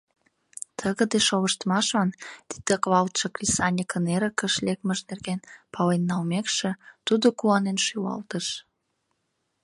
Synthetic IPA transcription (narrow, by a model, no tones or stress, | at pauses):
t̪ʰəɣə̆d̪eʃoβəʃt̪mɑʃɑnt̪i̥d̪̥ekβɑlt̪ʃə̆klʲisɑnʲikəneɾəkəʃlek̚məʒnerɣenpɑlenːɑlmekʃĕt̪ud̪okuɑnenʃywɑ̰lt̪əʃ